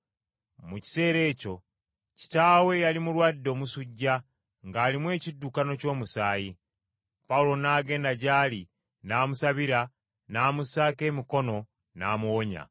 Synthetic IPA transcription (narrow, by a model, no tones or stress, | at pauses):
muci̥se̞ːɾe̞ːco̞ | ci̥taːwe̞jalimulwaːdːo̞ːmusuɟːa | ŋɡaːlimwe̞ːcidːukano̞co̞ːmusaːji | paulo̞naːɡe̞ːndaɟaːli | naːmusaβiɾa | naːmusaːke̞ːmiko̞no̞ | na̰ːmuwoɲa̰